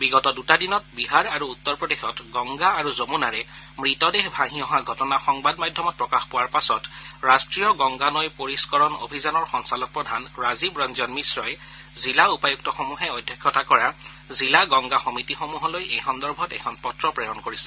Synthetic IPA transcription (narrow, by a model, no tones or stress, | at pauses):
biɡɔtɔdutadinɔtbiɦaɹaɹuːtːɔɹpɹɔdexɔtɡɔŋɡaːɹuzomunaɹɛ | mɹitɔdexbʱaɦĩɔɦaɡʱɔtɔnaxɔŋbadmadʱjɔmɔt̚pɹɔkaxpɔwaɹpasɔtɹastɹijɔɡɔŋɡanɔjpoɹiskɔɹɔno̰bʱizanɔɹxɔŋsalɔk̚pɹɔdʱanɹazibɹɔnzɔnmisɹɔj | zilaupajuk̚tɔxomuɦɛɔjdʱjakʰjɔtakɔɹa | zilaɡɔŋɡaxomitixomuɦɔlojɛjkʰɔndɔɹbʱɔtɛ̰kʰɔnpɔtɹɔpɹɛjɔnkoɹisɛ̥